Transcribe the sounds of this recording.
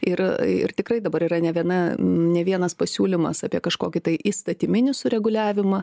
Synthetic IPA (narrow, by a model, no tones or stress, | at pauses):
ɪɾɪ̰rt̪ʲɪkrɐɪd̪ɐbɐɾiːɾɐnʲɛʋʲiɛnɐnʲɛʋʲiɛnɐspɐsʲuːlʲɪmɐ̰sɐːpʲiɛkɐʃkoːkʲɪt̪ɐɪʔist̪ɐt̪ʲɪmʲɪnʲɪsʊɾʲɛɡʊlʲæːʋʲɪmɐ